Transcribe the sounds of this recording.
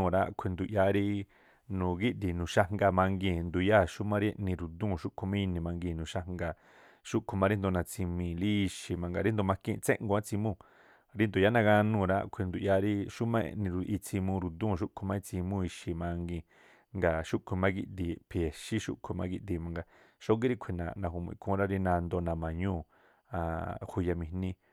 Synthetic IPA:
ũ˧˨˧ɾa˧˦kʷʰe˧nd̪u˨ʔja˧ɾi˦ | nũ˨ɡi˦ʔd̪i˨nũ˨ʃa˧ŋɡa˧mã˧ŋɡĩ˧˨nd̪u˨ja˦˨ʃu˦mã˦ɾi˦e˧ʔnĩ˧ɾu˨d̪ũː˦˨ʃu˦kʰu˧mĩ˦˧nĩ˧˨mã˧ŋɡi˧˨nũː˨ʃa˧ŋɡa˧ | ʃu˦ʔkʰu˧mã˧ɾi˦nd̪o˧nã˧t͡si˧mĩ˧˨li˦i˧ʃi˧mã˧ŋɡa̰˧ɾi˦nd̪o˧mã˧kḭ̃˦˧t͡sḛ̃˦ʔŋɡo˧ã˦t͡si˧mũ˦˧˨ | ɾi˦nd̪o˨ja˦nã˧ɡã˧nũ˧˨˧ɾa̰˦kʷʰi˧nd̪u˨ʔja˧ɾi˦ʃu˦mḛ̃˧nĩ˧ɾu˧ʔi˧t͡si˧mũ˧ɾu˨d̪ũ˦˨ʃ̬u˦kʰu˧mã˦i˧t͡si˧mũ˦˧i˧ʃi˨mã˧ŋɡĩ˧ | ŋɡa˨ʃu˦kʰu˧˨mã˦ɡ̬i˧ʔd̪i˧pʰe˨ʃi˦ʃṵ˦ʔkʰu˨˧˨mã˧ki˧ʔd̪i˧˨mã˧ŋɡa˧ | ʃo˦ŋɡi˦ɾi˦kʷʰi˧˨nã̰˨nã˧˨ɦu˧˨mṵ̃˧ḭ̃˨˧kʰũ˧˦˧ɾa˦ɾi˧nã˧nd̪o˧nã˨mã˨ɲũː˦˨ | a˧˨hu˧ja˧mĩ˧˨nĩ˧

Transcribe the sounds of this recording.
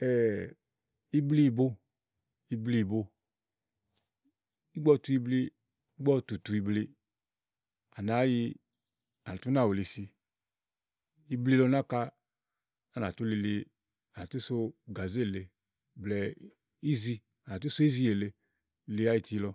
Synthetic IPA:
ɛː˨ | i˧bli˧i˧˨bo˧ | i˧bli˧˨bo˧ | i˦ɡ͡bɔ˧tu˧i˧bli˧ | i˦ɡ͡bɔ˧tu˨tu˧i˧bli˧ | a˨na˨˦ji˧ | a˨na˨tu˦na˦˨wo˨li˧si˧ | i˧bli˧lɔ˧na˦ka˧ | a˨na˨tu˨˦li˧li˧ | a˨na˨tu˦so˧ɡa˨ze˦˨le˧ | blɛ˨ | i˦zi˧ | a˨n˨a˨tu˦so˦i˦zi˧je˨le˧ | li˧˦a˨˦ji˧˨ti˧lɔ˧

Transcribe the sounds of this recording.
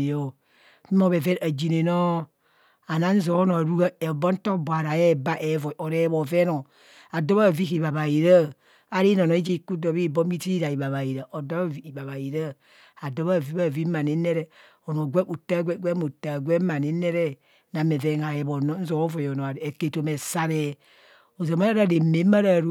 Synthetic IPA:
jo˦ | mo˦βe˨ve˦ɾa˨d͡ʒi˨ne˨no˦ | a˨na˦n̩˦zo˨˦no˨ɾu˦ɡa˦e˨bo˦n̩˦to˦bwa˨ɾa˨je˦˨ba˦ʔe˨˦vo˨o˨ɾe˦bo˨ve˦no˨ | a˨do˦βa˦˨vi˦ki˨βa˨βa˨ji˨ɾa˦ | a˨ɾi˦no˨no˨˦i˦d͡ʒi˦˨ku˦do˨bi˦˨bo˦m˦i˦ti˦ɾa˨i˨βa˨βa˨ji˨ɾa˨ʔo˨do˦a˦vi˨˦i˨ba˨βa˨ji˨ɾa˦ | a˨do˦βa˦˨vi˦ba˦˨vi˦ma˨ne˦ne˦ɾe˦ | o˨no˨ɡʷe˦u˨ta˦ɡʷe˦ɡʷe˦mu˨ta˨ɡʷe˦ma˨ne˨˦ne˦ɾe˦ | na˨me˨ve˦ŋa˨je˨bo˨no˦n̩˦zo˨˦vo˨jo˨no˨e˨ke˨to˨me˨sa˦ɾe˦ | o˨zo˨ma˦a˦ɾa˦˨ɾe˨me˨˦ma˦ɾa˨ɾu˦

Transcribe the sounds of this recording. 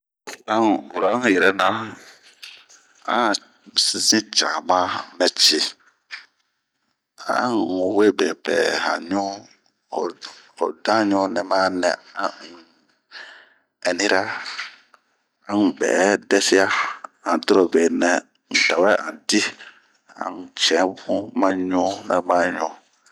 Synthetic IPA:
ɾã˦˨u˨ɾã˨˦˨jɛ˨ɾɛ˨˦nã˦ | ã̰˦˨ | si˦sĩ˦t͡ʃã˨mã˦mɛ̃˨t͡ʃi˨ | ã̰˦˨u˨we˦˨be˨pɛ̰˨hã̰˨ɲɔ̃˦˨ | ɔ̰˨dã˦ɲɔ̃˦nɛ̃˨mã˦nɛ̰̃˨ã˦˨ŋ˨ | ɛ˨nĩ˦ɾa˦ | ã˨ŋ˨bɛ̰ː˨˦dɛ˦sɪ˦a˦ã˨dɔ˦ɾɔ˨be˨nɛ̃˨ | n̩˨ta˨wɛ˦ʔã̰˨di˦ | ã̰˨ŋ˨t͡ʃɛ̃˨˦bũ˦mã˦ɲɔ̃˦nɛ̃˨mã˦ɲɔ̃˦

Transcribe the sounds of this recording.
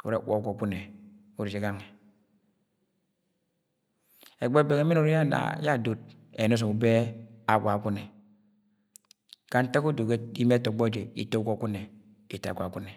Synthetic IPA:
ṵ˨ɾe˦˨˦wʷo˦ɡʷo˨ku˦ne˨ | u˨ɾi˨d͡ʒe˨˦ɡa˦ŋe˨ | e˨ɡ͡be˦be˨ke˨˦mi˦no˨ɾi˦ja˦na̰˨˦ja˦˨do˦˨t̚ | ḛ˨n˦s̬o˨u˨be˦a˦˨ɡʷa˨ku˦ne˨ | ka˨˦n̩˦ta˦ku˦do˨ke˦i˦me˦to˨ɡ͡bo˦d͡ʒe˨ḭ˨to˦ɡo˦ku˦ne˨ | i˨ta̰˨ɡʷa˨ku˦ne˨

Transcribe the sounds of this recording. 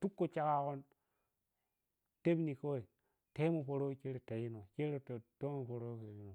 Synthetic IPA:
tu˦kːo˨t͡ʃa˦ka˦ko˦n | te˦bni˨ko˦i˨ | te˦mo˨po˨ɾo˦˨ke˦ɾe˨ta˨ji˦no˨ke˦ɾe˦˨to˦mo˨po˨ɾo˦ke˨ɾi˦no˨

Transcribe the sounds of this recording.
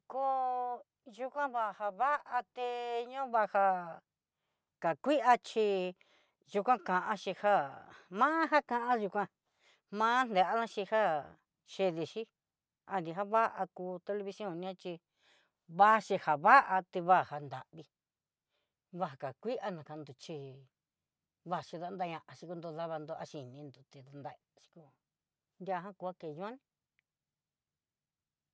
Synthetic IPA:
ko˦ | ʒu˧kʷã˦βa˧ha˧βa˦ʔa˧t̪e˧ɲõ˦βa˧ha˧ | ka˨kʷi˦ʔa˧t͡ʃi˧ | ʒu˧kʷã˦kã˧ʔã˧ʃi˧ha˦mã˦ɦa˦kã˧ʔã˦ʒu˧kʷã˧ | mãː˦nd̪e˨ʔa˦nã˦ʃi˧ha˦ | ʃe˧ði˧ʃi˦ | a˧nd̪i˧ɦa˦βa˦ʔa˧kuː˧t̪e˧le˧βi˧si˧˦õ˦˧˨nĩ˧ã˦t͡ʃi˧ | βa˦ʃi˧ha˨βa˦ʔa˧t̪i˧βa˦˨ha˧nd̪a̰˨ʔβi˧ | βa˧a˨ka˨kʷi˦ʔa˧nã˨ka˧nd̪u˧t͡ʃi˧ | βa˦˧˨ʃi˧ða˧nd̪a˧ɲã˧ʔã˧ʃi˧ku˧nd̪o˧ða˦βa˧nd̪o˧a˧ʃi˧nĩ˧nd̪u˧t̪i˧ða˧nd̪a˧ | ʃi̥˧ku˧ | nd̪ja˧ɦã˦ku˧a˦ke˧˨jõ˦nĩ˦

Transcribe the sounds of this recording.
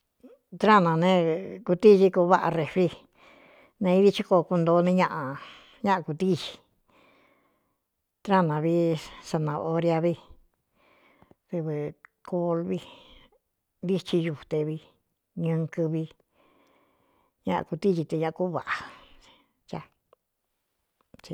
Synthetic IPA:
t̪ɾa˦˨nã˨˧nẽ˦ku˧t̪i˦˧ʒi˧ko˧˦βa˦ʔa̰˧re˧fɾi˧ | nẽ˧i˦ði˦t͡ʃi˦ko˧ku˧nd̪o˧˦˧nĩ˦˧ɲã˦˧ʔã˧ | ɲã˦ʔa˧ku˧t̪i˦ʒi̥˧ | t̪ɾa˦nã˨˧βi˦sa˧nã˧o˧ɾja˧βi˧ | ðɨ˧βɨ˧kʰo˧lβi˧ | nd̪i˦t͡ʃi˧ʒu˧˨t̪e˧βi˧ | ɲɨ̃˧kɨ˧βi˧ | ɲã̰˦ʔã̰˧ku˧t̪i˦ʒi˧t̪e˧ɲã˦ʔã˧ku˦βa̰˨ʔa˨ | t͡ʃa˧ | t͡ʃi˧

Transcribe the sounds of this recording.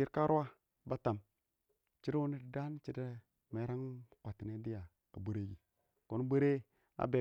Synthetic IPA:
i˦ɾka˦ɾu˦wa˦ | ba˦ta˨m | t͡ʃi˦ɾu˦ni˦dda˦n˦t͡ʃi˦de˦ | me˨˦ɾa˦ŋkʷa˨ti˨ne˦di˦ja˨ | a̰˨bu˦ɾe˦ɡi˨ | ko˨n˦bə˦ɾe˦ | a̰˨˦be˨

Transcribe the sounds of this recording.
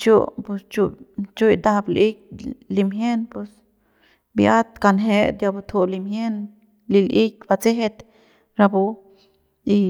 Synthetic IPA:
t͡ʃu˦pu˧st͡ʃu˧t͡ʃu˦jd̪a˧bli˦k̚li˧mje˦npu˧s | bja˦t̪ka˧nɦe˧˦d̪ja˧bu˧t̪ʰu˧li˧mje˦n | li˧lʔi˦k̚ʲba˧t͡se˦ɦe˧t̪ | ɾa˧bu˧ | i˧

